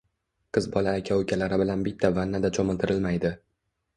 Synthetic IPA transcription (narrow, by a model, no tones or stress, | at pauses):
qʰɨzbɒlaːkʲʰawʊkʲʰalaɾɪbɪlanbɪt̪ʰːavanːad̪at͡ʃʰɒmɪlˠt̪ʰɪɾɪlmajd̪ɪ